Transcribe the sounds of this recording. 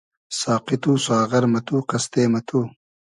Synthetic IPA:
saːqit̪uːsaːʁɐɾmɐt̪uːqɐst̪eːmɐt̪ʰu

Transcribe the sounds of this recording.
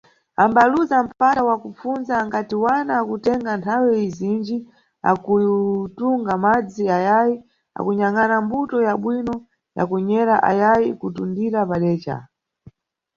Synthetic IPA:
ambaluzam̩patawakup͡funzaːŋkatiwanaːkutɛŋɡantʰawɛizind͡ʒi | a̰kutuŋɡamad͡ziajaji | a̰kuɲaŋanambutɔjaɓwinɔ | ja̰kuɲɛɾaʔa̰jajikutundiɾapaɗɛːt͡ʃa̰

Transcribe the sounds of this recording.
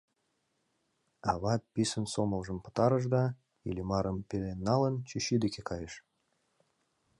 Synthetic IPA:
ɑβɑpʲisə̆nsomə̆lˠʒə̆mpɤ̥̆t̪ɑɾə̆ʒ̬d̪ɑ | ilʲimɑɾə̆mpʲelenːɑlə̆nt͡ɕiɕyd̪ekʲekɑjəʃ

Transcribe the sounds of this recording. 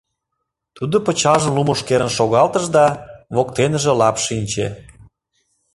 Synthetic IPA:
t̪ud̪opə̆t͡ɕɑʒənlumoʃkeɾənʃoɣɑlt̪əʒd̪ɑβokt̪enəʒĕlɑpʃinʲt͡ɕḛ

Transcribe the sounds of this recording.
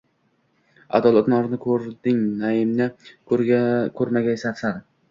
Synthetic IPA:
a̰d̪ɒlˠɒt̪nɒɾnɪkʰɵɾd̪ɪŋnaɪmnɪ | kʲʰɵɾmaɡʲajsaɾsaɾ

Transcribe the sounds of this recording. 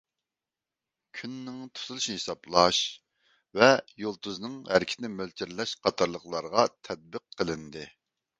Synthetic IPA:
kʲʰynːɪŋt̪ʰu̥t̪ʰulˠuʃnɨhisɑplˠɑʃ | vɛjolˠt̪uznɨŋhæɾkʲʰɪt̪nɪmølt͡ʃʰiɾlɛʃqʰɑt̪ʰɑɾlˠəχlˠɑɾʁɑt̪ʰɛd̪̚bəqʰːəlˠɨnd̪ɨ

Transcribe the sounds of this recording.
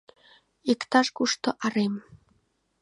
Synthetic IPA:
ikt̪ɑʃkuʃt̪oʔɑɾem

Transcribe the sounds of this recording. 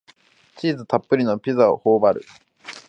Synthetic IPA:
t͡ɕiːzɨt̪apːɯɾʲino̞pʲizaohoːbaɾɯ̟̰

